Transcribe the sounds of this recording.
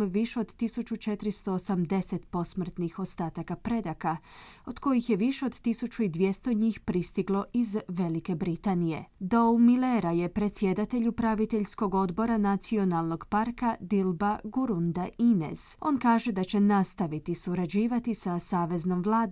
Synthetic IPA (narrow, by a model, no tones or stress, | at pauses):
ʋiʃeo̞d̪t̪isut͡ʃut͡ʃe̞t̪ɾist̪o̞ːsamd̪e̞set̪po̞smr̩t̪nixo̞st̪aːt̪akapɾe̞d̪akao̞d̪ko̞jixje̞ʋiʃeo̞d̪t̪isut͡ɕuid̪ʋje̞st̪o̞ɲiːxpɾist̪iɡlˠo̞ʔizʋe̞like̞bɾit̪anije̞̰d̪owmileɾaje̞pɾe̞t̪sje̞d̪at̪e̞ʎupɾaʋit̪eʎsko̞ɡo̞d̪bo̞ɾanat̪sio̞nalˠno̞ɡpaɾkad̪ilˠbaɡuɾund̪ainḛz̥o̞nkaːʒe̞d̪at͡ɕe̞nast̪aʋit̪isuɾad͡ʑiːʋat̪isasaːʋe̞zno̞mʋlˠaːd̪